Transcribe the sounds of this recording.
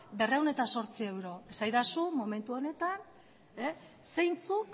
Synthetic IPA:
be̞rewne̞t̪aso̞ɾt͡sie̞wɾo̞esajðasumo̞me̞nt̪uo̞ne̞t̪an | e | se̞jnt͡suk

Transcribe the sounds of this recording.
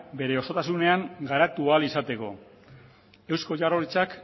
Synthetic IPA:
be̞ɾe̞o̞so̞t̪asune̞aŋɡaɾat̪ualisat̪e̞ko̞ | e̞wsko̞ʝaro̞ɾit͡sak

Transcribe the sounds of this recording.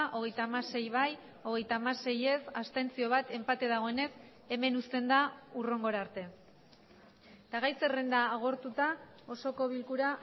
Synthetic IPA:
ʔo̞ɣ̞e̞jt̪amase̞jβaj | o̞ɣ̞e̞jt̪amase̞je̞sast̪e̞nt͡sio̞β̞at̪e̞mpat̪e̞ðaɣ̞o̞ene̞s | e̞me̞nust̪e̞nd̪auro̞ŋɡo̞ɾaɾt̪e̞ | t̪aɣajserend̪aːɣ̞o̞ɾt̪ut̪a | o̞so̞ko̞βilkuɾa

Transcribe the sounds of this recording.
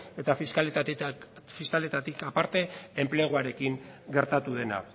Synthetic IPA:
e̞t̪afiskalt̪ | fiskale̞t̪at̪ikapaɾt̪e̞emple̞ɣ̞oaɾe̞kiŋɡe̞ɾt̪at̪uð̞e̞na̰

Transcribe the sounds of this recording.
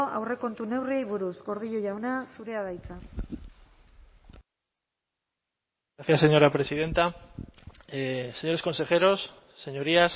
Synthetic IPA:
ʔa̰wre̞ko̞nt̪une̞wriejβuɾuzɡo̞ɾð̞iʎoʝawnasuɾe̞að̞ajt͡sa | aθjase̞ɲo̞ɾapɾe̞siðe̞nt̪a | seɲo̞ɾeko̞nse̞χe̞ɾo̞sː | e̞ɲo̞ɾias

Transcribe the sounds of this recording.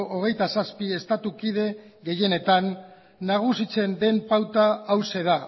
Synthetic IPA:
ʔoɣ̞e̞jt̪asaspie̞st̪at̪ukiðe̞ɣe̞je̞ne̞t̪anː | aɣ̞usit͡se̞nd̪e̞mpawt̪aawse̞ð̞a

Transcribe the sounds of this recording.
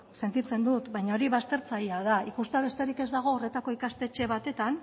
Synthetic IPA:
se̞nt̪it͡se̞nd̪ut̪βajɲao̞ɾiβast̪e̞ɾt͡sajiað̞aikust̪eaβe̞st̪e̞ɾike̞zd̪aɣ̞o̞ːre̞t̪ako̞ikast̪e̞t͡ʃe̞β̞at̪e̞t̪an

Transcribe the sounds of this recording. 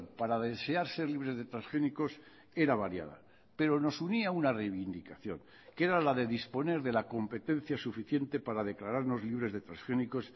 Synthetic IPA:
paɾaðe̞se̞aɾse̞ɾliβ̞ɾe̞zðe̞t̪ɾasxe̞niko̞s | e̞ɾaβaɾja̰ða̰ | pe̞ɾo̞no̞suniaunarejβind̪ikaθjo̞̰ŋ | ke̞ɾalaðe̞ðispo̞ne̞ɾðe̞lako̞mpe̞t̪e̞nθjasufiθje̞nt̪e̞paɾaðe̞klaɾaɾno̞zliβ̞ɾe̞zðe̞t̪ɾasxeniko̞s

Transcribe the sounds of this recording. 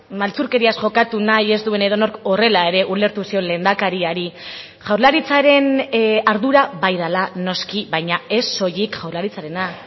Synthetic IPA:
malt͡suɾke̞ɾiasʝo̞kat̪unaje̞zd̪ue̞ne̞ðo̞no̞ɾko̞re̞lae̞ɾe̞ʔule̞ɾt̪usio̞nlend̪akaɾiaɾi | ʝawɾlaɾit͡saɾe̞naɾðuɾaβajðalano̞skiβajɲae̞sːo̞jikʝawɾlaɾit͡saɾe̞na

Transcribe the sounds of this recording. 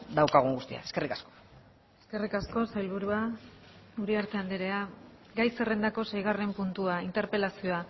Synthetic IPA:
d̪awkaɣ̞uŋɡust̪ḭa̰e̞ske̞rikasko̥ | e̞ske̞rikasko̞sajlβ̞uɾua | uɾeaɾt̪e̞and̪eɾea | ɡajse̞re̞nd̪ako̞sejɣ̞are̞mpunt̪uaint̪e̞ɾpe̞lasioa

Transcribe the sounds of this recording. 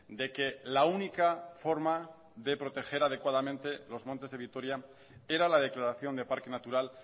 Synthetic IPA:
d̪e̞ke̞launikafo̞ɾma | ðe̞pɾo̞t̪e̞xe̞ɾað̞e̞kwað̞amẽnt̪e̞lo̞zmont̪e̞zðeit̪o̞ɾja | e̞ɾalaðe̞klaɾaθjo̞nd̪e̞paɾke̞nat̪uɾal

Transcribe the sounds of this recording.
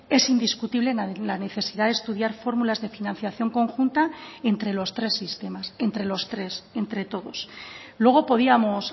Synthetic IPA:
e̞sind̪iskut̪iβle̞nlane̞θe̞siðaðest̪uðjaɾfo̞ɾmulazðe̞finãn̟θjaθjo̞ŋko̞ŋxunt̪ae̞nt̪ɾe̞lo̞st̪ɾe̞sːist̪emase̞nt̪ɾe̞lo̞st̪ɾe̞se̞nt̪ɾe̞t̪o̞ðo̞slwe̞ɣ̞o̞po̞ðiamos

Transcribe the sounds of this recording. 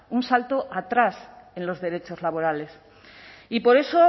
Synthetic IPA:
unsalt̪oʔat̪ɾas | ẽ̞nlo̞zðe̞ɾe̞t͡ʃo̞zlaβ̞o̞ɾale̞s | ipo̞ɾe̞so

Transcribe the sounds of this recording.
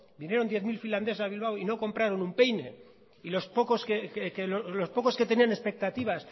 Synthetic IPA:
binje̞ɾo̞nd̪je̞θmilfiland̪e̞s̬aβ̞ilβ̞awino̞ko̞mpɾaɾo̞numpe̞jne̞ | ilo̞spokoskekekelolo̞spo̞ko̞ske̞t̪e̞niane̞spe̞k̚t̪at̪iβ̞as

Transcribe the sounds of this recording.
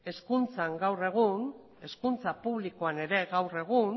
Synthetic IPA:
e̞skunt͡saŋɡawre̞ɣ̞un | e̞skunt͡sapuβlikoane̞ɾe̞ɣawre̞ɣ̞un

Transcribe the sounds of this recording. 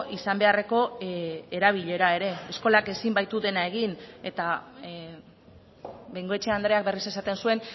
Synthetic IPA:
isambe̞are̞ko̞eɾaβ̞iʎe̞ɾae̞ɾe̞ːsko̞lake̞simbajt̪uðe̞nae̞ɣine̞t̪a | bejŋɡo̞e̞t͡ʃe̞and̪ɾe̞ak̚be̞rise̞sat̪e̞nsue̞n

